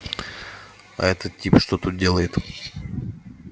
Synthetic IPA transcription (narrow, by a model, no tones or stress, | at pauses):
ɐ̰ɛt̪ət̪tʲːipʂt̪ot̪ut̪̚dʲe̞lˠəjɪt̪